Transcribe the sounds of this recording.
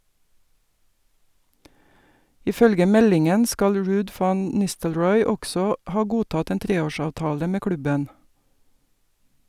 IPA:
ɪˈfœlɡə ˈmɛlɪŋən ˈskɑl ˈɹʉːd ˈfɑn ˈnɪstəlɹɔʏ ˈɔɡsɔ ˈhɑː ˈɡuːtɑt ˈeːn ˈtɾeːˌoːˌʃɑːʋtɑːlə ˈmeː ˈklʉbən

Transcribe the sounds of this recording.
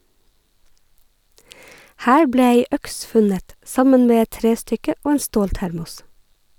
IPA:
ˈhæːɹ ˈbɽeː ˈeɪ ˈœks ˈfʉnət ˈʔsɑmən ˈmeː ˈɛt ˈtɾeːˌstʏkə ˈʔoː ˈeːn ˈstoːlˌtæɾmʊs

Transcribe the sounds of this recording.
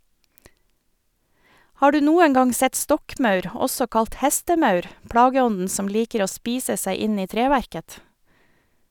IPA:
ˈhɑː ˈɖʉː ˈnuːəŋ ˈɡɑŋ ˈsɛt ˈstɔkˌmɑʉɾ ˈɔsɔ ˈkɑlt ˈhɛstəˌmɑʉɾ ˈpɽɑːɡəˌɔndn̩ ˈsɔm ˈliːkəɾ ˈoː ˈspiːsə ˈsæɪ ˈɪn ˈiː ˈtɾeːʋæɾkət

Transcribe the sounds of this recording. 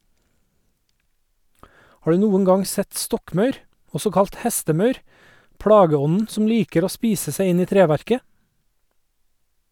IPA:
ˈhɑː ˈɖʉː ˈnuːəŋ ˈɡɑŋ ˈsɛt ˈstɔkˌmɑʉɾ ˈɔsɔ ˈkɑlt ˈhæstəˌmɑʉɾ ˈpɽɑːɡəˌɔnn̩ ˈsɔm ˈliːkəɾ ˈoː ˈspiːsə ˈsæɪ ˈɪn ˈiː ˈtɾeːˌʋæɾkə

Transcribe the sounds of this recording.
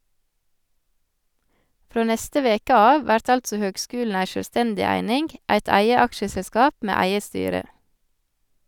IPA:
ˈfɾoː ˈnɛstə ˈʋeːkə ˈɑːʋ ˈʋæɾt ˈɑltsɔ ˈhøːɡˌskʉːln̩ ˈæɪ ʃœlˈstɛndɪ ˈæɪnɪŋɡ ˈæɪt ˈæɪə ˈɑkʃəsɛˌskɑːp ˈmeː ˈæɪə ˈstyːɾə

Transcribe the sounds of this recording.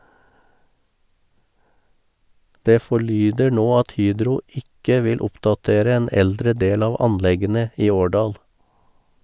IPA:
ˈdeː fɔˈɭyːdə ˈɳoː ˈɑt ˈhyːdɾʊ ˈɪkə ˈʋɪl ˈʊpdɑˌteːɾə ˈeːn ˈɛldɾə ˈdeːl ˈɑːʋ ˈɑnˌlɛɡənə ˈiː ˈoːˌɖɑːl

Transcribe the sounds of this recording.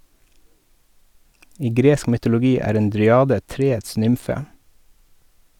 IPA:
ˈiː ˈɡɾeːsk mʏtʊlʊˈɡiː ˈæːɾ ˈeːn dɾʏˈɑːdə ˈtɾeːəts ˈnʏmfə

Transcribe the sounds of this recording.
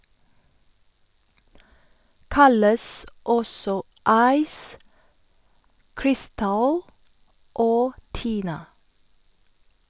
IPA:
ˈkɑləs ˈɔsɔ ˈɑɪs ˈkɹɪˌstɑl ˈoː ˈtiːnɑ

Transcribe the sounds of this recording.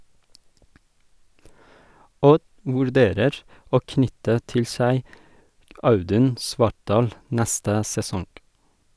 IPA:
ˈɔd ʋʉɾˈdeːɾəɹ ˈoː ˈknʏtə ˈtɪl ˈsæɪ ˈɑʉˌdʉn ˈsʋɑʈˌɖɑːl ˈnæstə sɛˈsɔŋ

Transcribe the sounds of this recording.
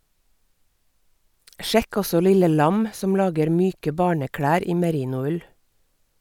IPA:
ˈʃɛk ˈɔsɔ ˈlɪlə ˈlɑm ˈsɔm ˈlɑːɡəɾ ˈmyːkə ˈbɑːɳəˌkɽæːɾ ˈiː məˈɾiːnʊˌʉl

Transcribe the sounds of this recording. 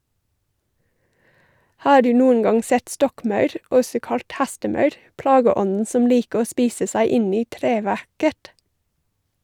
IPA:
ˈhɑː ˈɖʉː ˈnuːən ˈɡɑŋ ˈsɛt ˈstɔkˌmɑʉɾ ˈɔsɔ ˈkɑlt ˈhæstəˌmɑʉɾ ˈplɑːɡəˌɔnn̩ ˈsɔm ˈliːkə ˈoː ˈspiːsə ˈsæɪ ˈɪn ˈiː ˈtɾeːˌʋæɾkət

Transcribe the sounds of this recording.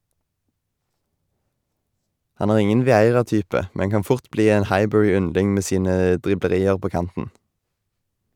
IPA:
ˈhɑn ˈæːʁ ˈɪŋən ʋɪˈæɪʁɑˌtyːpə ˈmɛn ˈkɑn ˈfʊʁt ˈbliː ˈeːn ˈhɑɪˌbœʁɪˌʏnlɪŋ ˈmeː ˈsiːnə ˈdʁɪbləˌʁiːəʁ ˈpoː ˈkɑntn̩

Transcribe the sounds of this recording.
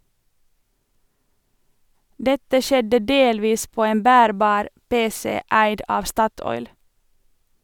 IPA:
ˈdɛtə ˈʃɛdə ˈdeːlʋiːs ˈpoː ˈeːn ˈbæːɾbɑːɾ ˈpeːsɛ ˈæɪd ˈɑːʋ ˈstɑtɔʏl

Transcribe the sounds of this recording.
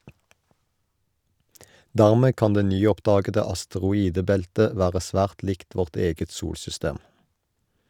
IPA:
ˈdæʁmeː ˈkɑn ˈdeː ˈnyːˌɔpdɑːɡədə ɑstəʁʊˈiːdəˌbɛltə ˈʋæːʁə ˈsʋæːʁt ˈlɪkt ˈʋɔʁt ˈeːɡət ˈsuːlsʏˌsteːm

